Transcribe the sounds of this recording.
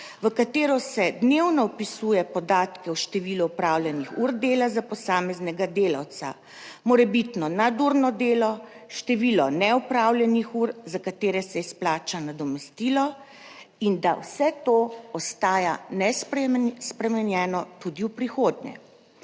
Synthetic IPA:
ʋəkat̪eːɾɔsɛd̪newnɔɔpisujɛpɔd̪aːt̪kɛwʃt̪ɛʋiːluːpɾaːwljɛnixuɾd̪eːlazapɔsaːmɛznɛɡad̪eːla̰wt̪sa̰ | mɔɾɛbit̪nɔnad̪uɾnɔd̪eːlɔ | ʃt̪ɛʋiːlɔnɛɔpɾaːwlʲjɛnixuɾzakat̪eːɾɛsɛisplaːt͡ʃanad̪ɔmɛst̪iːlɔ | ind̪awsɛt̪oɔst̪aːjanɛspspɾɛmɛnjɛːnɔt̪ud̪iwpɾixoːd̪ɲɛ̰

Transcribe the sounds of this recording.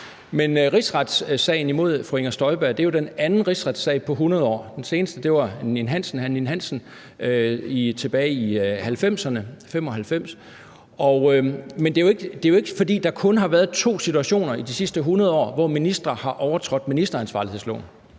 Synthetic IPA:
menʁisʁɑd̥ssɛ̰ɪn̩imo̝ð̞̰ˠfʁue̝ŋɐsd̥ɒ̽ɪb̥æɐ̰d̥e̝jo̝d̥enænn̩ʁisʁɑ̈d̥sɛ̰ɪpʰɒ̽ɦunɐð̞ˠɒ̰ːd̥ense̝ːnəsd̥əd̥e̝ʋɑ̈ninɦæn̰sn̩hæninɦæn̰sn̩ | it͡sʰe̝b̥ɛːɪihælfem̰sɐnəfem̰ɒ̽ɦælfem̰s | ɒ̽mend̥e̝joe̝ɡ̥əd̥e̝joe̝ɡ̥əfɒ̽d̥ḭːd̥ɑ̈kʰɔ̽nɦɑ̈ʋæːɐð̩ˠt͡sʰo̝̰ːsit͡sʰuæɕo̝̰ːnɐid̥isisd̥əɦunɐð̞ˠɒ̰ːʋɒminisd̥ʁɐhɑ̈ʔɒʊɐt͡sʰʁɔ̽d̥minisd̥ɐænsʋɑ̈ːlihe̝̰slɔ̰ːn

